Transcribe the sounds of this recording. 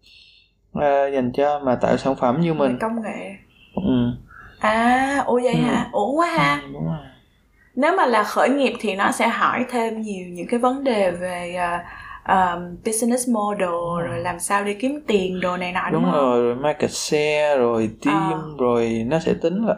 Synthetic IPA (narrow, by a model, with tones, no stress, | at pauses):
ʔaː˧˩za˨˩jŋt͡ɕɔ˧maː˨˩t̪a̰ː˧˨jsa̰ː˧˩nfə˧˩mɲɨ˧mï˨˩ŋkə˧wŋ͡mŋḛ˧˨ | ʔɨ˨˩mʔaː˨˧˩ʔu˧˩zə̰˧˨jɦaː˧ʔu˧˩˦ənwaː˨˦ɦaː˧ɗʊ˨˦ŋ͡m | ne˨˦wmaː˨˩laː˨˩xəː˧˩jŋi˨˩əp̚t̪ʰi˨˩nɔ˨˦sɛ̰˧˥ɦɔ˧˩jt̪ʰe˧mɲi˨˩əwɲɨ̰˧˥ŋkaː˨˦jvə˨˦nɗe˨˩ve˨˩ʔəː˨˩ʔəː˨˩mɓi˧snɛ˧˦˥smo˧ɗo˨˩zo˨˩jlaː˨˩msaː˧wɗi˧˩ki˨˦əmt̪i˨˩ənɗo˨˩na˨˩jnɔ̰˧˨˦ɗʊ˨˦ŋ͡mzo˨˩jzo˨˩jmaː˧kə˨˩t̚sɛ˧zo˨˩jt̪i˧˦əɲʊ˧ŋ͡mzo˨˩jnɔ˨˦sɛ̰˧˥t̪ï˨˦ŋ̟laː˨˩